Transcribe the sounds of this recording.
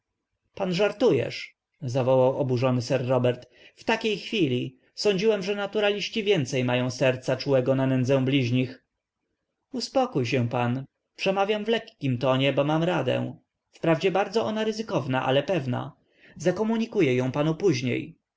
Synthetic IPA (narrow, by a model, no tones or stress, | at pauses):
panʐaɾt̪ujɛ̰ʂ | zavɔwawɔbuʐɔnɘsɛɾːɔbɛɾt̪ | ft̪akʲejxfʲilʲi | sɔɲd͡ʑiwɛmʐɛnat̪uɾalʲiɕt͡ɕivʲjɛnt̪sɛjmajɔ̃w̃sɛɾt̪sat͡ʂuwɛɡɔnanɛnd̪zɛ̃w̃blʲiʑɲix | uspɔkujɕ̬ɛw̃pan | pʂɛmavʲjamvlɛkːʲimt̪ɔɲɛbɔmamɾad̪ɛ̰̃ | fpɾavd͡ʑɛbaɾd̪zɔʔɔnaɾɘzɘkɔvnaʔa̰lɛpɛvna̰ | zakɔmuɲikujɛjɔ̃w̃panupuʑɲḛj